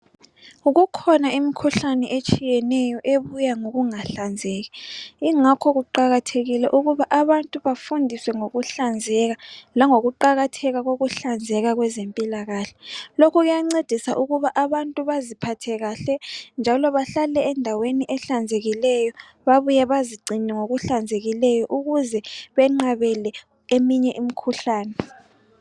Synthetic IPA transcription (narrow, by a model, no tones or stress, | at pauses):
uɣukʰɔnaimikʰuɬanɛʔet͡ʃʼijɛnɛjɔʔeβujaŋoɣuŋaɬand͡zʱɛːɣɛiŋakʰɔɣuǃaɣatʰeɣilɛʔuɣuβaʔaβantʼuβafundʱiswɛŋoɣuɬand͡zʱɛɣalaŋoɣuǃaɣatʰɛɣaɣoɣuɬand͡zʱɛɣaɣwɛzempʼilaɣaːɬɛ̥lokʰɔɣujaŋ͡ǀed̥ʱisaʔuɣuβaʔaβantʼuβazipʰatʰɛɣaɬɛnd͡ʒʱalɔβaɬalɛɛndʱaweniʔɛɬand͡zʱeɣilɛjɔ | βaβujɛβaziɡ͡ǀʱiɲɛŋoɣuɬand͡zʱeɣilɛjɔʔuɣuzɛβɛŋ͡ǃaβɛlɛ | emiɲɛʔim̩kʰuɬaːnɛ